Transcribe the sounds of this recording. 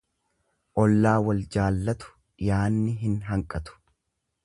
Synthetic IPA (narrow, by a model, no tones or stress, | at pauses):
ʔɔlːaːwɐld͡ʒaːlːɐt̪ʊ̥ | jaːnːɪɦɪnɦɐŋkʼɐt̪ʊ̥